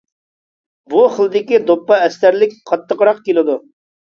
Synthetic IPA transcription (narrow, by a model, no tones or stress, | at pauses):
buχəlˠɨd̪ɪkʲid̪opːɑɛst̪æɾlɪk̚ʲqʰɑt̪ːəqɾɑqkʲelɪd̪u